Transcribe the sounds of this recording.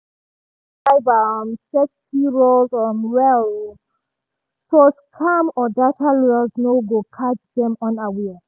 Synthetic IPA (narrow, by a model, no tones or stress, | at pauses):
aɪbamsɛktʰiɹolzɔ̃nɹɛl | sɔskʰamɔdatʰaɹɛlznoɡokʰat͡ʃdɛ̃mɔ̃nawɛ